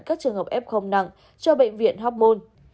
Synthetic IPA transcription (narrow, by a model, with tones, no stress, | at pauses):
kaː˦˥k̚t͡ɕɨ˨˩əŋhəː˨˩pʔɛ˦˥p̚xə˧wŋ͡mna̰˧˩˨ŋ | t͡ɕɔ˧ɓḛ˧˨jŋ̟vḭ˧˨ənɦa˦˥p̚mo˧n